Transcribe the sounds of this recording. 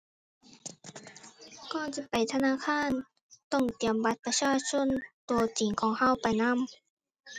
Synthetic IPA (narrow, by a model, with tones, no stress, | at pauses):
kɔː˧˩˨t͡ɕi˧˩pa˨˩jt̪ʰa˧naː˧˥˨kʰaː˧˥˨n | t̪ɔ˧˥˩ŋt̪i˨˩əmba˧˥t̪̚pa˧˦t͡ɕʰaː˧t͡ɕʰo˧˥˨nt̪u˨˧ət͡ɕi˨˩ŋkʰɔː˨˦ŋha˧˥˨wpa˨˩jna˧˥˨m